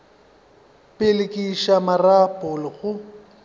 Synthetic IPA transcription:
pʼɪlɪkʼiʃamarapʼʊlɪɣʊ

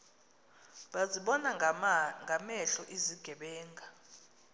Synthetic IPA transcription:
ɓaziɓɔnaŋɡʱamɛɬɔʔiziɡ̥ʱɛɓɛːŋɡʱa

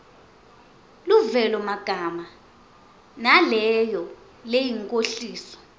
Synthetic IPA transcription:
luvɛlɔmaɡ̥ʱama | nalɛjɔ | lejiŋkʼoɬiːsɔ̥

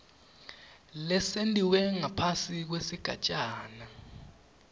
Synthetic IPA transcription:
lɛsentʼiwɛŋapʰasik̬wesiɡ̥ʱa̰t͡ʃʼaːna

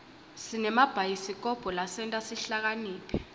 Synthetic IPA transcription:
sinɛmab̥ʱajisik̬ʼɔb̥ʱɔlasɛntʼasiɬak̬aniːpʰɛ̥

